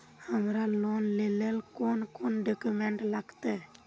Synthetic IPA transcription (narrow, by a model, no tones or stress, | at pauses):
həmɾalonlelelkonkonɖəkumeɳʈlaɡt̪e